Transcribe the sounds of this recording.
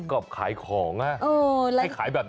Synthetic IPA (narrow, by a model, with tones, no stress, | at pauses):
kɔː˨˩p̚kʰaː˩˦jkʰɔː˩˦ŋʔa˧˥ʔʔoː˧˩la˧˦˥jkʰaː˨˩˦jbɛː˨˩p̚